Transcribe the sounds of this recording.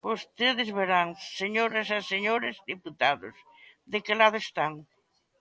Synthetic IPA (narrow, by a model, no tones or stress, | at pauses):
ost̪eðɪzβeɾaŋseɲoɾɐsaseɲoɾezd̪iput̪aðʊ̰s | d̪ekelaðʊest̪aŋ